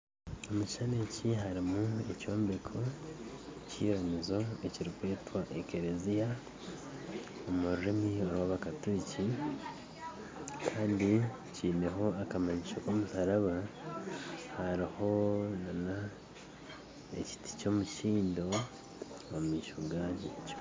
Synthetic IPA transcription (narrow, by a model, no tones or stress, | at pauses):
omuʃane̞ciɦaɾimue̞co̞ːmbe̞kʰo̞ | cḭːɾamizo̞e̞ciɾikwe̞ːtwaʔekeɾezija | omuɾɾimio̞ɾwaβakatuci | kʰaːndi | ciːne̞ɦo̞akamaɲiʃokomusaɾaβa | haɾiho̞nana | ḛci̥ti̥co̞muʃiːndo̞ː | mumiːʃuɡaɟec